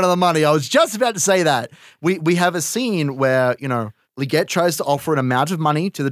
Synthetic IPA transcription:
nʌðəmʌniaɪwʌzd͡ʒʌstəbaʊtʰɨseɪðæt̚wiwiɨvɨsĩnwə˞jɨñoʊ | lɨɡɛtʰɹ̥aɪz̥tʰəʔɔfə˞ɨ̃ñɨmãʊ̃ntʌvmʌñiɾɨðɨ

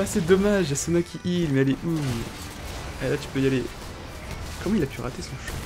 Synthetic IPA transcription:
asɛd̪ɔmaʒasɔnakʲʰiʔilmɛaleʔu | ɛlat̪y̥pøjale | kɔmɑ̃ilapyʁa̰t̪esɔ̃ʃɔ̥̃

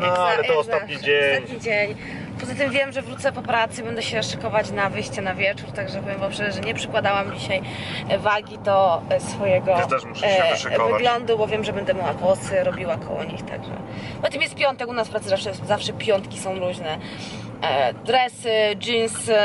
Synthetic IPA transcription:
alɛɔsaɲietat̪ɲid͡ʑeɲ | pɔzat̪ɨmvʲjɛmʐɛvɾut̪sɛpɔpɾat̪sɨbɛnd̪ɛɕɛʂɛ̥kɔvat͡ɕnavɘjɕt͡ɕɛnavʲjɛt͡ʂuɾt̪aɡʐɛpɔvʲjɛmvapʂɛʐɛɲɛpʂɛkwad̪awamd͡ʑiɕaj | vaɡʲid̪ɔsfɔjɛɡɔt̪ɛ | vvɨɡlɔnd̪ubɔvʲjɛmʐɛbɛnd̪ɛmʲjawaɡwɔsɘɾɔbʲiwakɔ̰wɔ̰ɲḭxt̪a̰ɡʐɛ̰ | pɔt̪ɨmjɛst̪̚pʲjɔnt̪ɛkunaspɾat̪sɨzafʂɛzafʂɛpʲjɔnt̪kʲi̥sɔ̃w̃ɾuʑnɛ | d̪ɾɛsɘd͡ʒins

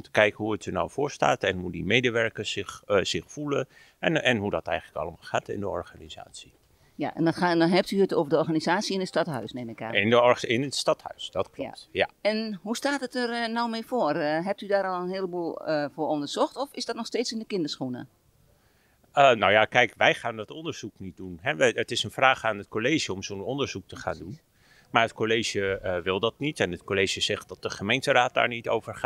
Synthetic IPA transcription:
ntəkɛjkəhuətəna̰wvʊːɹsta̰ːtɛnhudimejdəʋɛɹkəsɪxz̥ɪxfulə | ɛnɦudɔtɛ̰jɣələkɑ̰ləmalˠxaːtɪ̰ndəɔ̰rɣaniza̰ːtsi | ja̰ʔɛ̰ndɔdɔnɦɛp̚tyətoːvəɹdəɔɹɣaːnizaːtsiɪnətstɑtɦœ̰ɥsnemɪka̰ɪnəɪnətstɑthœ̰ɥsdɔtkl̰tja̰ɛnɦustaːtətərnɔwmeːfoərɦɛp̚tydaːɾɔlˠənhiələbulˠfʊːɹɔndərz̥ɔxtɔfɪzdɔtnɔxsteːtsɪndəkɪndəsxunə̰ | ənowjakɛjkʋɛjχaːndɔtɔndəɹz̥uknit̚dunɦɛʋɛətɪsənfraːχaːnət̚kolejʒəɔmzonɔndəɹz̥uk̚təχa̰ːndun | maːɹətkolejʒjəʋɪlˠdɑtnitɛnətkolejʒəz̥ɛχt̚dɑt̚dəχəmejntəraːt̚d̥a̰ːɹnito̰wvəɹχa

